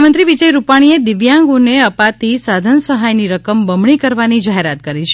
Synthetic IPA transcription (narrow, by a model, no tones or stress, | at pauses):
mə̃nt̪ɾiʋid͡ʒəjɾupaɽ̃ied̪ɪʋjãŋɡuneəpat̪isad̪ʱənsəɦajniɾəkəmbəmɳikəɾʋanid͡ʒaɦeɾat̪̚kəɾit͡ʃʰ